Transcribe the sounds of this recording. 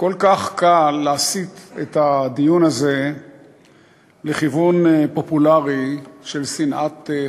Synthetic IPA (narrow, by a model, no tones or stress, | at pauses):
kolkaχkalːaasit̪etad̪ijunaze̞ | leχivunpo̞pulaʁiʃe̞lsinʔat̪